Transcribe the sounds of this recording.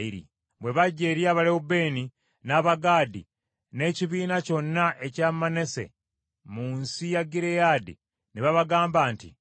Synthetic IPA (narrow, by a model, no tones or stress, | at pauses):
iɾḭ | βwe̞βaɟe̞ɾjaːβaleube̞ːni | naβaɡaːdḭ | ne̞ːciβiːnaco̞nːaʔe̞camanese̞̰ | muːnsijaɡiɾejadḭ | niβaβaɡaːmbaːntḭ